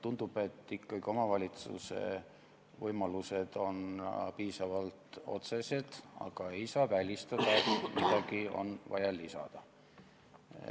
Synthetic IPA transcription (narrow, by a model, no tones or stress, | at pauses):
t̪und̪̥ub̥e̞t̪ːikːɑɡio̞mɑvɑlʲit̪sṵse̞̰ | vɤjmɑluse̞d̪̥o̞npiːsɑvɑlt̪o̞̰t̪se̞se̞d̪̥ɑ̰ɡ̥ɑe̞jsɑːvælʲist̪ɑd̪̥ɑet̪mid̪̥ɑɡio̞̰nvɑjɑlisɑ̰d̪̥ɑ